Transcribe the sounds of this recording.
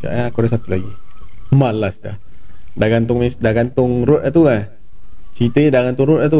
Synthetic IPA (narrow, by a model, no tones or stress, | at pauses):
t͡ʃa̰ʔaakudasat̪ulaɡimalasda̰h | daɡant̪ʊŋmesdaɡant̪ʊŋrʊt̪at̪ua | t͡ʃit̪əɲdaɡant̪ʊŋɾʊt̪̚at̪̬u